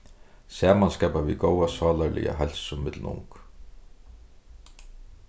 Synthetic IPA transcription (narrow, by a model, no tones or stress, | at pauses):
sɛːmanskaːpaviðɡowasaːlalɪ̰a̰ɦɛlsʊmɪt̪l̩nʊ̰ŋk